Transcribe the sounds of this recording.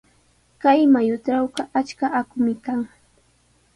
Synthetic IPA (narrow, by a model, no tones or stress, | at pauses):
kajmajʊʈ͡ʂawqɑʔat͡ʃkaʔakʊmɪkaŋ